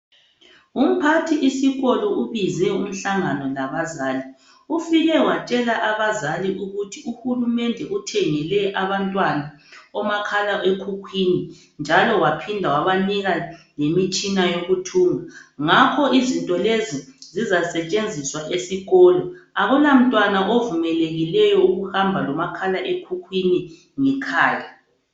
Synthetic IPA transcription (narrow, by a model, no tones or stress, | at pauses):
um̩pʰatʰiʔisiɣɔlɔʔuβizɛum̩ɬaŋanɔlaβazaːli | ufiɣɛwat͡ʃʼɛlaʔaβazaliʔuɣutʰiuhulumɛndʱɛutʰɛŋɛlɛʔaβantʼwanaɔmakʰalaʔekʰukʰwini | nd͡ʒʱalɔwapʰindʱawaβaniɣalemit͡ʃʼinajoɣutʰuːŋaŋakʰɔizintʼɔlezizizasɛt͡ʃʼend͡zʱiswaʔesiɣɔːlɔaɣulam̩tʼwanaʔovumɛleɣilɛjɔuɣuhambʱalɔmakʰalaʔekʰukʰwini | ŋɛkʰaːja